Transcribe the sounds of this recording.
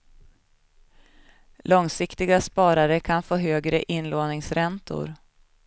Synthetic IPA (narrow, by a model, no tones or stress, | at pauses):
lɔŋsɪkt̪ɪɡaspɑːɾaɾəkʰanfoːɦøːɡɾəʔɪnːloːnɪŋsɾɛnt̪ʊ̰ɾ